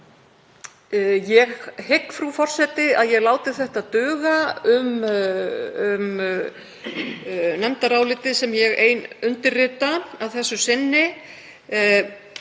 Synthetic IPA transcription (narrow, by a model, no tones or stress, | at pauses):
jɛɣhekːfɾufɔr̥sɛt̪ɪaðjɛɣlaːwt̪ɪ̥θɛht̪aðt̪ʏːɣaʏm | ʏm | nɛmt̪aɾaːwlɪːt̪ɪsɛmjɛɣeːjnʏnt̪ɪɾrɪːt̪aawθɛsːʏsɪnːɪ